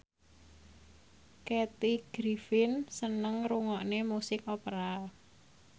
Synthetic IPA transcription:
kɛt̪iɡ̥ɾifɪnsənəŋɾuŋɔʔnemusɪkopəɾal

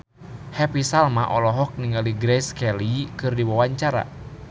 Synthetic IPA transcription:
hɛpisalmaʔɔlɔɦɔk̚niŋɡaliɡɾɛskɛlikɨrdiwawaɲt͡ʃaɾa̰

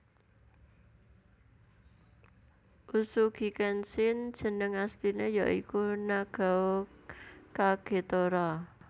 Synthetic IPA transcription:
ʔusuɡ̥i̤kɛnsɪn̥d͡ʒ̥ə̤nəŋast̪inejaʔikunaɡ̥a | kaɡ̥e̤t̪oɾɔ

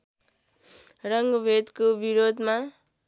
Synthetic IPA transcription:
rʌŋɡʌbʱed̪kobiɾod̪ʱma

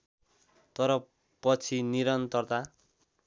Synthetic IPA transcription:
t̪ʌɾʌ | pʌt͡sʰiniɾʌnt̪ʌrt̪a

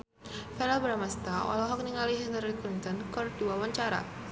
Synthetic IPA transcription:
fɛɾalbəɾamast̪aɔ̰lɔɦɔk̚niŋaliɦinaɾiklint̪ɔnkərdiwawaɲt͡ʃaɾa̰

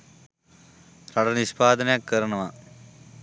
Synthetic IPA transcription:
rɐɽɐniɕpaːd̪ɐnjakːɐɾɐɳɐma

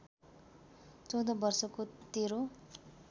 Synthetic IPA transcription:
t͡sʌwd̪ʌbʌrsʌkot̪eɾo

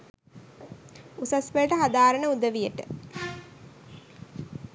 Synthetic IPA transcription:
usasʋəəʈəɦad̪aːɾəɳəud̪əʋijəʈə

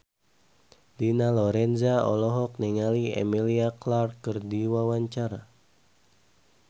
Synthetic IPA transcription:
dinalɔɾɛnzaɔ̰lɔɦɔk̚nɛŋaliɛ̰miliaklarkɨrdiwawaɲt͡ʃaɾa

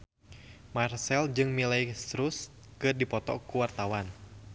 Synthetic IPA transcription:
marsɛld͡ʒɨŋmilajst̪ɾus | kɨrdipɔt̪ɔ̰kuwart̪awan

